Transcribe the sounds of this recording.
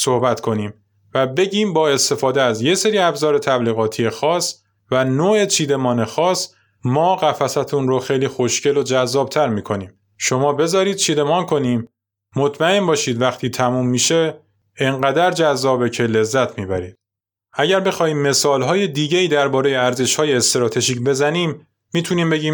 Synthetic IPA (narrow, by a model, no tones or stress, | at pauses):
sohbæt̪kʰo̞niːm | væbe̞ɟiːmbɒːe̞st̪e̞fɒːd̪eæzje̞se̞ɾiːæbzɒːɾe̞t̪ʰæbliːɣɒːt̪ʰije̞xɒːs | vænoːe̞t͡ʃʰiːd̪e̞mɒːne̞xɒːs | mɒːɣæfæsæt̪ʰunɾoxejliːxo̞ʃcʰe̞lo̞d͡ʒæzːɒːb̚t̪ʰæɾmiːkʰo̞niːm | ʃo̞mɒːbe̞zɒːɾiːd̪̚t͡ʃʰiːd̪e̞mɒːnkʰo̞niːmː | ot̪ʰmæe̞mbɒːʃiːd̪væxt̪ʰiːt̪ʰæmuːmːiːʃe̞ | eŋɢæd̪æɾd͡ʒæzːɒːbe̞cʰe̞le̞zːæt̪ʰmiːbæ̰ɾiːd̪̥ | ʔæɟæɾbe̞xɒːhiːmːe̞sɒːlɦɒːjed̪iːɟeiːd̪æɾbɒːɾe̞je̞æɾze̞ʃhɒːjeːst̪eɾɒːt̪ʰe̞ʒiːcbe̞zæniːmː | iːt̪ʰuniːmbe̞ɟiːm